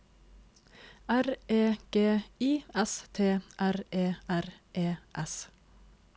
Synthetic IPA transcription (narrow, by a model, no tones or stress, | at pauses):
æɾeːɡ̥eːiːɛst̪ʰeːʔæɾeːʔæɾʔeːʔɛs